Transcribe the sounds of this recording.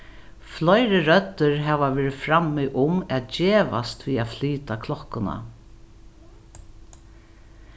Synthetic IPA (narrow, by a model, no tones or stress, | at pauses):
flɔjɾɪɾœt̪ːʏɹɦɛːʋaʋɛːɾɪfɾamːɪʔʊmɛt̪̚d͡ʒeːʋa̰st̪ʋiːafliːt̪akʰlɔhkːʊna̰